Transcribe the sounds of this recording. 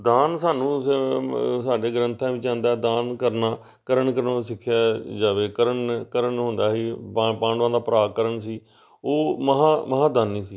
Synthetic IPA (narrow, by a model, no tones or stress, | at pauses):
d̪aːnsaːnũː | saːɖeːɡəɾənt̪ʰãːʋɪt͡ʃãːnd̪aːd̪aːnkəɾnaː | kəɾəɳkəɾnsɪkʰːɪjaːd͡ʒaːʋeːkəɾəɳkəɾəɳɦʊ̃nd̪aːɦiːpãːɳɖãːd̪aːpəɾaːkəɾəɳsiː | oːməɦãːməɦãːd̪aːnːĩːsiː